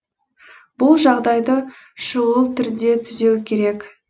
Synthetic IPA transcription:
b̥ʊlˠʒɑʁd̪ɑjd̪ə | ʃəwəlˠt̪ʰʏɾd̪e̞t̪ʰʏze̞wkʲʰe̞ɾe̞k

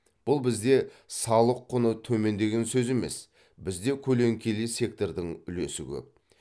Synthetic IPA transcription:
b̥ʊlˠbɪzd̪e̞sɑlˠəqʰːʊnət̪ʰɵme̞nd̪e̞ɡʲe̞nsɵze̞me̞s | bɪzd̪e̞kʲʰɵle̞ŋkʲʰe̞lese̞k̚t̪o̞rd̪əŋʏle̞sɪkʲʰɵ̰p̚

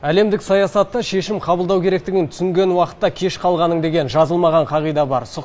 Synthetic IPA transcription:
æle̞md̪ɪksɑjɑsɑt̪ːəʃe̞ʃɪmqʰɑbəlˠd̪ɑwkʲʰe̞ɾe̞kt̪ɪɡʲɪnt̪ʰʏsɪŋɡʲe̞nwɑqə̥t̪ːɑkʲʰe̞ʃqʰɑlˠʁɑnəɴd̪e̞ɡʲe̞nʒɑzəlˠmɑʁɑɴqʰɑʁijd̪ɑbɑɾsə

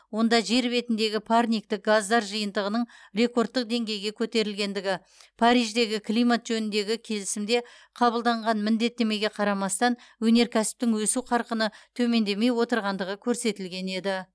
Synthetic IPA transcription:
wo̞nd̪ɑʒe̞ɾbe̞t̪ɪnd̪e̞ɡʲɪpʰarnʲijk̚t̪ɪk̚ɡazd̪ɑɾʒəjənd̪əʁənəɴre̞ko̞ɾt̪ːəq̚d̪e̞ŋɡʲe̞jɡʲe̞kʲʰɵt̪e̞ɾɪlɡʲe̞nd̪ɪɡʲɪ | pʰaɾijʒd̪e̞ɡʲɪkʰlˠijmat̪ʒɵnɪnd̪e̞ɡʲɪkʲʰe̞lɪsɪmd̪e̞ | qʰɑbəlˠd̪ɑɴʁɑnmɪnd̪e̞t̪ːe̞me̞ɡʲe̞qʰɑɾɑmɑst̪ɑnwɵne̞ɾkʲʰæsɪ̥p̚t̪ɪŋwɵsuqʰɑɾqənət̪ʰɵme̞nd̪e̞me̞jwo̞t̪əɾʁɑnd̪əʁəkʲʰɵɾse̞t̪ɪlɡʲe̞ne̞d̪ɪ

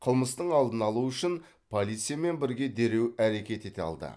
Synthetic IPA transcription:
qʰəlˠməst̪əɴɑlˠd̪ənɑlˠuʏʃɪn | pʰo̞lʲˠijt̪sɨjame̞nbɪɾɡʲe̞d̪e̞ɾe̞wæɾe̞kʲe̞t̪e̞t̪eɑ̰lˠd̪ə̰

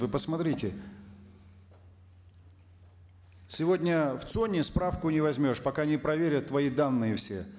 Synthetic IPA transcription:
vɨpəsmɐt̪ɾʲitʲɪ | sʲɪvo̞dʲnʲəft̪sonʲːɪspɾafkʊnʲɪvɐzʲmʲo̞ʂpɐkanʲɪpɾɐvʲeɾʲət̪ːvɐid̪anːɨjɪfsʲe̞̰

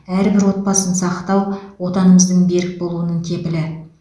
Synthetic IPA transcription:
æɾbɪɾwo̞t̪̚pɑsənsɑqt̪ɑwwo̞t̪ɑnəməzd̪əɴbe̞ɾɪk̚bo̞lˠuənəɴt̪ʲʰe̞pɪlɪ

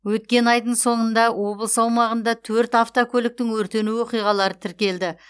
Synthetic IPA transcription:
wɵt̪̚kʲe̞nɑjd̪əɴso̞ɴənd̪ɑwo̞bəlˠəsɑwmɑʁənd̪ɑt̪ʰɵɾt̪aft̪okʲʰɵlɪk̚t̪ɪŋwɵɾt̪e̞nuwo̞qijʁɑlˠɑɾət̪ʰɪɾkʲe̞ld̪ɪ

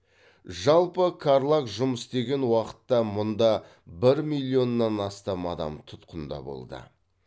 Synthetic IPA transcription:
ʒɑlˠpəkʰaɾlˠakʒʊməsd̪e̞ɡʲe̞nwɑqə̥t̪ːɑmʊnd̪ɑ | bɪɾmilʲˠio̞nːɑnɑst̪ɑmɑd̪ɑ̰mt̪ʰʊt̪qənd̪ɑ̰bo̞̰lˠd̪ə̰

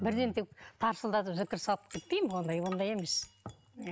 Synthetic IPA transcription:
bɪɾd̪e̞nt̪ekt̪ʰɑɾsəlˠd̪ɑt̪əpzɪkʲɪɾsɑlˠəp̚kʲʰe̞t̪̚pejmwo̞nd̪ɑjwo̞nd̪ɑje̞me̞s

